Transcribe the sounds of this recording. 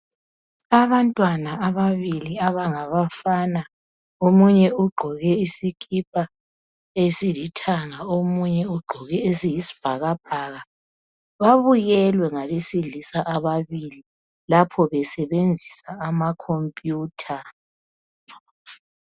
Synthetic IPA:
aβantʼwanaaβaβiliaβaŋaβafana | omuɲɛuɡ͡ǃʱɔɣɛisikʰʼip̚ʰʼa | esilitʰaŋaomuɲɛuɡ͡ǃʱɔɣɛesijisi̥b̥ʱaɣab̥̚ʱaɣa | βaβujɛlwɛŋaβesilisaʔaβaβili | lapʰɔβɛsɛβend͡zʱisaːmakʰompʼjuːtʰa

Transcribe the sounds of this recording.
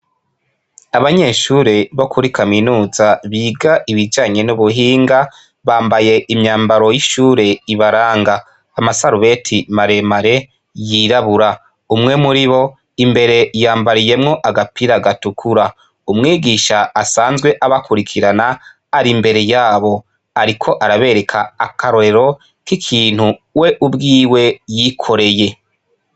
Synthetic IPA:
aβaɲe̞ʃuːɾe̞βo̞kʰuɾikʰaminuːzaβiːɡaʔiβid͡ʒaːɲe̞nuβuɦiːŋɡa | βaːmbaje̞ʔimɲaːmbaɾo̞jiʃuːɾe̞iβaɾaːŋɡaː | masaɾuβe̞tʰimaɾe̞maɾe̞ | jiɾaβuɾa | umŋe̞muɾiβo̞ | imbe̞ɾe̞jaːmbaɾije̞mŋo̞ʔaɡapiɾaɡatukʰuɾa | umŋiːɡiʃaːsaːnzɡwe̞ʔaβakʰuɾikʰiɾana | aɾimbe̞ɾe̞jaːβo̞ | aɾikʰo̞ʔaɾaβe̞ɾe̞kʰaakaɾoeɾo̞ | kikʰiːn̥huwe̞ʔubɡiːwe̞jikʰo̞ɾe̞je̞

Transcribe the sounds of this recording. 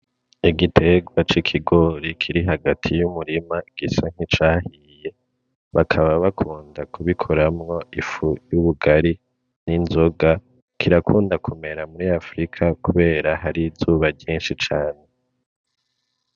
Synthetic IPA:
iɡitʰe̞ɡwat͡ʃikʰiɡo̞ɾikʰiɾiɦaɡatʰijumuɾimaɡ̥isaŋ̥it͡ʃaːhi | je̞ | βakʰaβaβakʰuːndakuβikʰoɾamŋo̞ifujuβuɡaɾi | ninzoɡa | kʰiɾakʰuːndakʰome̞ɾamuɾiafɾikʰakuβe̞ːɾahaɾizuβaɟiːnʃit͡ʃaːne̞

